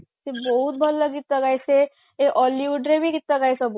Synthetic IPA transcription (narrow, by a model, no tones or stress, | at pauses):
tebɔɦut̪̚bʱɔlːəɡit̪ːəɡajse | eʔɔliʋuɖɾebʱiːɡit̪ːaɡajsəbo